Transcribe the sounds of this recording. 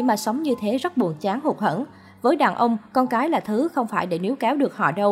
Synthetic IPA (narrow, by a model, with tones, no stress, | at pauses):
maː˨˩sə˨˦wŋ͡mɲɨ˧t̪ʰe˨˦zə˦˥t̚ɓu˨˩ənt͡ɕaː˨˦ŋho˨˩t̚hə̰˧˥n | vəː˨˦jɗaː˨˩nʔə˧wŋ͡mkɔ˧nkaː˨˦jlaː˨˩t̪ʰɨ˨˦xə˧wŋ͡mfaː˧˩jɗe˧˩ni˨˦wkɛ˨˦wɗɨ˨˩ək̚hɔ̰˧˨ɗə˧w